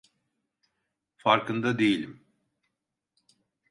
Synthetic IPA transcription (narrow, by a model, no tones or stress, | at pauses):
faɾkɯnd̪ad̪ejilʲim